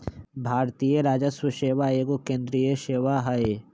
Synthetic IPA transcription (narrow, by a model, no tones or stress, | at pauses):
bʱaːɾt̪ijeɾaːd͡ʒəswəʃeːʋaeːɡokẽːnd̪ɾijeʃeːʋaɦɐe